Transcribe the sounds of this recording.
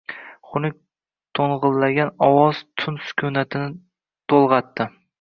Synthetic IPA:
χʊnɪk̚ʲ | t̪ʰoɴʁɨlˠːaɡʲanɒwɒz̥t̪ʰʊnsʊ̥kʲʰʊnat̪ʰɪnɪ | t̪ʰolˠʁɑt̪ːɪ

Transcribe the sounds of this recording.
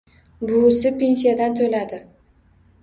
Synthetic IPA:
bʊsɪpʰe̞nʲsijad̪ant̪ʰolad̪ɪ

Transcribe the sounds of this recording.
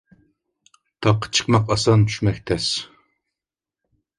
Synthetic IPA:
t̪ʰɑqʰːə̥t͡ʃʰə̥qmɑqɑsɑnt̪ʰy̥ʃmɛkʲt̪ʰɛs

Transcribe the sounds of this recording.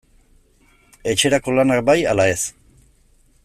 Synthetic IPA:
e̞t͡ʃe̞ɾako̞lanakbaja̰lae̞s

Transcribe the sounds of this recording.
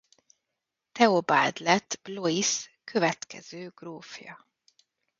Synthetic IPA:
t̪ɛobaːd̪lɛt̪b̥loiskʰøvɛt̪kɛ̰z̥øːɡ̥roːfjɒ̰

